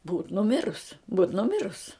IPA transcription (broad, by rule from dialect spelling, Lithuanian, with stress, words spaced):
buːt nʊˈmʲɪrʊs buːt nʊˈmʲɪrʊs